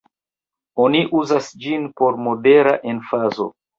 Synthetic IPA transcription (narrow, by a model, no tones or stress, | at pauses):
o̞niʔuzasd͡ʒinpo̞ɾmo̞de̞ɾaʔe̞nfazo̞̰